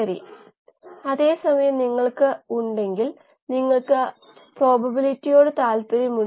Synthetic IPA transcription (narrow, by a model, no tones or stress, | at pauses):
ɐrḭ | ɐðe̞ːsɐmɐjɐmniŋːɐɭkɨuɳɖe̞ŋɡil | niŋːɐɭkɨ | pro̞ːbɐbilitːijo̞ːɽɨt̪aːlpɐɾimu